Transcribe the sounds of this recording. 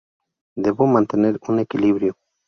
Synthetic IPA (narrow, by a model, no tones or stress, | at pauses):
d̪ebomant̪eneɾunekiliβɾjo